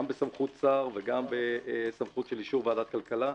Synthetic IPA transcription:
mbesamχut̪t͡saʁveɡambesamχut̪ʃeliʃuʁvead̪at̪̚kalkala

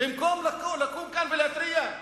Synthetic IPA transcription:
ɪmkoːmlakːolakːumkanbilat̪ɾɪja

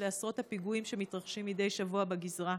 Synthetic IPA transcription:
easʁo̞thapiɡuimʃemit̪ʁaχʃimːid̪e̞jʃavuabeɡizʁa

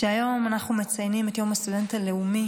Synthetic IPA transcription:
ʃeajo̞manaχnume̞t͡sajnimetjo̞mast̪udentale̞umi

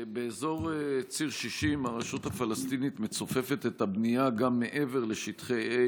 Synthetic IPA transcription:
be̞ːzo̞ʁt͡siʁʃiʃimaʁaʃuthafalast̪init̪met͡sofe̞fe̞t̪et̪abnijaɡamːe̞ʔe̞ve̞ʁle̞ʃit̪χe

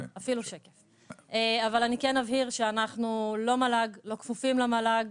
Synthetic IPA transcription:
afiluʃekef | eavalanikenmavɦiʁʃeanaχnulo̞malaɡlo̞kfufimlamalaɡ

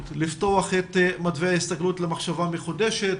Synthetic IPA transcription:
tlifto̞aχet̪mad̪vejaist̪aɡlutlemaχʃavameχudeʃet̪

